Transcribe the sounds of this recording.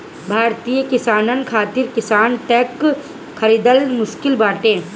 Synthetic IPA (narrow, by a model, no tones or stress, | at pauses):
bʱaːɾt̪ijəkɪsaːnənkʰaːt̪ɪɾkɪsaːnʈɛːk | kʰːɐɾiːd̪əlmʊʃkɪlbaːʈẽː